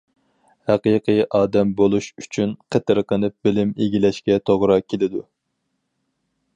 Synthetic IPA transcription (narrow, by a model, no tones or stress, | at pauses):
hæqijqʰɨjʔɑːd̪ɛmbolˠuʃyt͡ʃʰynqʰət̪ɨɾqənɨp̚bɪlɪmeɡʲilɛʃkʲɛt̪ʰoʁɾɑkʲʰelɪd̪u